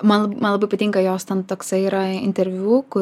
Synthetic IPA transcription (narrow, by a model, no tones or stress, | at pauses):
mɐnlˠmɐnlˠɐbɐɪpɐt̪ʲɪŋkɐjoːst̪ʲɛnt̪oːksɐiːɾɐɪ̰nʲt̪ʲɛɾʲʋʲuːkʊ